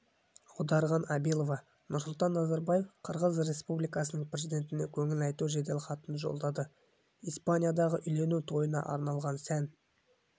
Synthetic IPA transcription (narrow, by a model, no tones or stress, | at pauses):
qʰʊd̪ɑɾʁɑnɑbilˠo̞vɑ | nʊɾsʊlˠt̪ɑnːɑzɑɾbaje̞fqʰəɾʁəzre̞spublijkɑsənəɴprʲezid̪ʲe̞nt̪ɪne̞kʲʰɵŋɪlɑjt̪uʒed̪elʲχɑt̪ənʒo̞̰lˠd̪ɑd̪ə | ispanʲijad̪ɑʁəʔʏjle̞nut̪ʰo̞jənɑ̰ʔɑ̰ɾnɑlˠʁɑnsæn